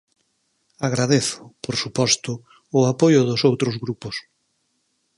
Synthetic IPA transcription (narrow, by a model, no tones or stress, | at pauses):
aɣɾaðeθʊ̥poɾsupɔst̪ʊː | apojʊðʊsowt̪ɾʊzɣɾupʊs